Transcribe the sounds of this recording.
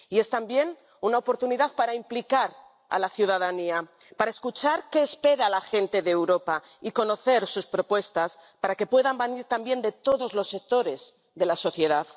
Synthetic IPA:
ie̞st̪ambje̞n | unaopo̞ɾt̪uniðaðpaɾaimplikaɾ | a̰laθjuðaðania | paɾaeskut͡ʃaɾke̞ːspe̞ɾalaxe̞nt̪e̞ðeːwɾo̞paiko̞no̞θe̞ɾsuspɾo̞pwe̞st̪as | paɾake̞pwe̞ðambeniɾt̪ambje̞nd̪e̞t̪o̞ðo̞zlo̞sːe̞k̚t̪o̞ɾe̞z | ðe̞laso̞θje̞ð̞að

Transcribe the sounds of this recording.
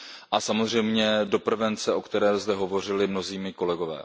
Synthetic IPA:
ʔasamozr̝ɛjmɲɛdo̞pr̩vɛnt͡sɛʔo̞kt̪ɛɾɛːzdɛɦo̞vo̞r̝ɪlɪmno̞ziːmɪko̞lɛɡo̞vɛ̰ː

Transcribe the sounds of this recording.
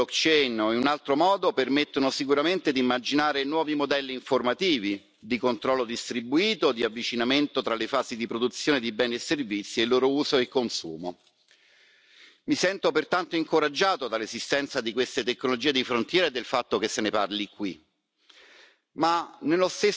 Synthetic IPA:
okt͡ʃejneunalt̪ɾomɔːd̪opermet̪ːonosikuɾament̪ed̪iːmːad͡ʒinaːɾenwɔːvimod̪ɛlːiːɱformat̪iːvi | d̪ikont̪ɾɔlːod̪ist̪ɾibuiːt̪od̪iavːit͡ʃinament̪ot̪ɾalefaːzid̪ipɾod̪ut̪sːjoːned̪ibɛːneesːervit̪sːielːoːɾouːzoekːonsuːmo | misɛnt̪opert̪ant̪oiŋkoɾad͡ʒːaːt̪od̪alːezist̪ɛnt̪sad̪ikwest̪et̪ekːnolod͡ʒiːed̪ifɾont̪jɛːɾaed̪ːelfat̪ːokesːeneparlikːwi | manelost̪e

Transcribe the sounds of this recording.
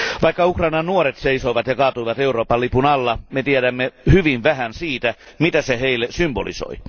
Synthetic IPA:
ʋɑikːɑukrɑinɑnnuoɾet̪seisoiʋɑt̪jɑkɑːt̪uiʋɑt̪euroːpɑlːipunɑlːɑmet̪ieɾæmːehyʋinʋæhænsiːt̪æ | mit̪æseheilːesymbo̰lḭso̰i

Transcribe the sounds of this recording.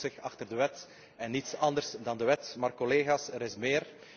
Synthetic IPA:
sɪxɑxtərdəʋɛt | ɛnːitsɑndərsdɑndəʋɛtmaːrkɔleːɣaːsəɾɪsmɪːr

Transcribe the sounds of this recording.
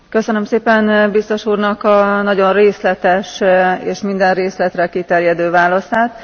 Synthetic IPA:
kø̞sønø̞mseːpɛnbist̪o̞ʃuːrnɒkɒnɒɟo̞nreːslɛt̪ɛʃeːʃmind̪ɛnreːslɛt̪rɛkit̪ɛrjɛd̪øːvaːlɒsaːt̪

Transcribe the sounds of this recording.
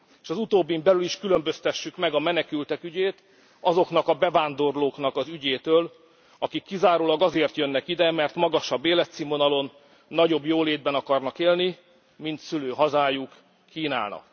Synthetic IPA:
eːʃɒzut̪oːbːimbɛlyliʃkylømbø̞st̪ɛʃːykmɛɡɒmɛnɛkylt̪ɛkyɟeːt̪ | ɒzo̞kn̪ɒkɒbɛvaːnd̪o̞rloːknɒkɒzyɟeːt̪øːl | ɒkikːizaːɾoːlɒɡɒzeːrt̪jønːɛkid̪ɛmɛrt̪mɒɡɒʃɒbːeːlɛt̪simo̞nɒlo̞nː | ɒɟo̞bjoːleːd̪̚bɛnɒkɒrnɒkeːlni | mint̪syløːɦɒzaːjukː | iːna̰ːnɒ̰k

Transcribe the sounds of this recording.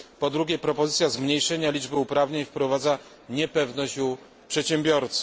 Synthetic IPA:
pɔd̪ɾuɡʲɛpɾɔpɔzɘt̪sʲjazmɲejʂɛɲalʲid͡ʐbɘupɾavɲeɲfpɾɔvad̪za | ɲɛpɛvnɔɕd͡ʑu | pʂɛtɕɛmbʲjɔɾt̪s

